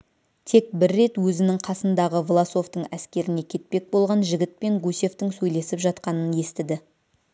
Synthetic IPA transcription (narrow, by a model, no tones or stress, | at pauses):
t̪ʰe̞k̚bɪɾːe̞t̪wɵzɪnɪŋqʰɑsənd̪ɑʁəvlˠaso̞ft̪əɴæskʲe̞ɾɪne̞kʲʰe̞t̪̚pe̞k̚bo̞lˠʁɑnʒɪɡʲɪt̪̚pe̞ŋɡusʲe̞ft̪ɪŋsɵjle̞sɪpʒɑt̪qɑnənje̞st̪ɪd̪ɪ